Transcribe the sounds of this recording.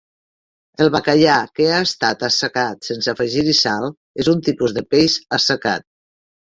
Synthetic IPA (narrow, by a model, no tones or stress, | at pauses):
əlˠβakaʎakeaest̪at̪əsəkat̪sensəfəʒiɾisalˠ | ezunt̪ipuzðəpejzəsəka̰t̪̚